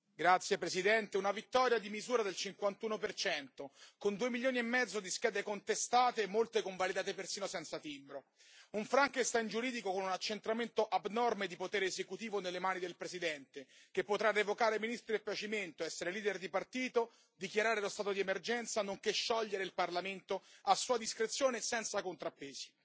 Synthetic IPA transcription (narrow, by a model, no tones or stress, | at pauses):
ɡɾat̪sːjepɾesid̪ɛnt̪eunavit̪ːɔɾjad̪imizuːɾad̪elt͡ʃiŋkwant̪uːnopert͡ʃɛnt̪okond̪uːemiljoːniemːɛd̪zːod̪iskɛːd̪ekont̪est̪aːt̪eːmːolt̪ekoɱvalid̪aːt̪epersiːnosɛnt̪sat̪imbɾo | uɱfɾaŋkest̪aind͡ʒuɾiːd̪ikokonunat͡ʃːent̪ɾament̪oʔabnɔrmed̪ipot̪ɛːɾeːzekut̪iːvonelːemaːnid̪elpɾezid̪ɛnt̪e | k̟epːot̪ɾarːevokaːɾeminist̪ɾiepːjat͡ʃiment̪oɛsːeɾeliːd̪erd̪ipart̪iːt̪o | d̪ikjaɾaːɾelost̪aːt̪od̪iemerd͡ʒɛnt̪sanoŋkeʃːɔʎːeɾeilparlament̪oasːuːad̪iskɾet̪sːjoːnesɛnt̪sakont̪ɾapːeːzi̥